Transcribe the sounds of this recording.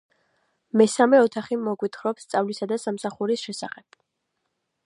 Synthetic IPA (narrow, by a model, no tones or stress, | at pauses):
mɛsamɛɔt̪ʰaχimɔɡwit̪ʰχɾɔpst̪sʼavlisad̪asamsaχuɾisʃɛsaχɛb̥